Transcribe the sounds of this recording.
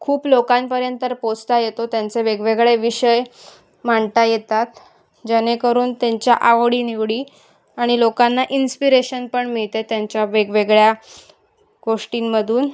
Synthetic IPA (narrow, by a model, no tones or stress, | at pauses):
kʰuːplokãnpəɾjənt̪əɾpost̪ajet̪ot̪jant͡seʋeɡʋeɡɭeʋiɕəj | maɳt̪ajet̪at̪ | d͡ʑeñekəɾuːnt̪jaɲt͡ɕjaʔaʋɽiːniʋɽiː | aɽ̃ilokanːaʔinspiɾeɕənpəɳmiɭt̪et̪jãɲt͡ɕjaʋeɡʋeɡɭja | ɡoʂʈinməd̪ʱuːn